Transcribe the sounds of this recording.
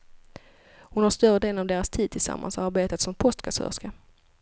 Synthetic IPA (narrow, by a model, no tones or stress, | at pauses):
hʊnhaʂt̪œɾəd̪eːlnavd̪eːɾast̪ʰiːd̪̚t̪ʰɪlsa̰mːa̰nsɔaɾbeːt̪at̪sɔmpʰɔst̪kʰasœ̰ːʂka